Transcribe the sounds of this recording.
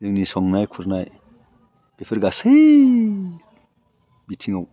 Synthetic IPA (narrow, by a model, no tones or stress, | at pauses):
dɯŋnisɔŋnajkʰuɾnaj | b̥epʰeɾɡasej | bitʰiŋaw